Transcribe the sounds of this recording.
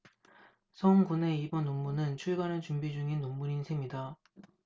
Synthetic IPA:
sʰʌŋɡune̞ibʌnːomːunɯnt͡ɕʰuɭbanet͡ɕumbid͡ʑuŋinːomːuɾinsʰe̞mɲida

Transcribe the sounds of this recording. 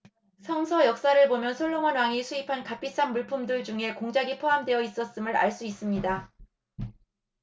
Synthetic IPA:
sʰʌŋsʰʌjʌk̚s͈aɾɯɭbomjʌnsʰoɭːomʌnwaŋisʰuipʰankapʰis͈anmuɭpʰumdɯɭd͡ʑuŋe̞koŋd͡ʑaɡipʰoɦamdwe̞jʌis͈ʌs͈ɯmɯɾa̰ɭs͈uis͈ɯmɲida

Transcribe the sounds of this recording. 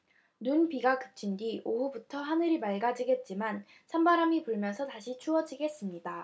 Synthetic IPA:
nunpiɡakɯp̚t͡ɕʰindiʔoɦubutʰʌɦanɯɾimaɭɡad͡ʑiɡe̞t̚t͡ɕ͈iman | sʰambaɾamipuɭmjʌnsʰʌtaɕʰit͡ɕʰuʌd͡ʑiɡe̞s͈ɯmɲida

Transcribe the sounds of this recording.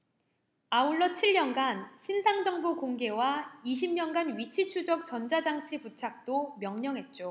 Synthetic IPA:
auɭːʌt͡ɕʰiɭɲʌnɡanɕʰinsʰaŋd͡ʑʌŋbokoŋɡe̞waiɕ̬ʰimɲʌnɡanɥit͡ɕʰit͡ɕʰud͡ʑʌk̚t͡ɕʌnd͡ʑad͡ʑaŋt͡ɕʰiput͡ɕʰak̚t͈omjʌŋɲʌŋɦe̞t̚t͡ɕ͈o

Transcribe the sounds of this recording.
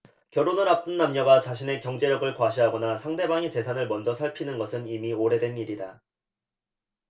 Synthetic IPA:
kjʌɾonɯɾap̚t͈ɯnːamɲʌɡat͡ɕaɕʰine̞kjʌŋd͡ʑe̞ɾjʌɡɯɭkwaɕʰiɦaɡʌnasʰaŋde̞baŋet͡ɕe̞sʰanɯɭmʌnd͡ʑʌsʰaɭpʰinɯnɡʌsʰɯnimioɾe̞dwe̞niɾida

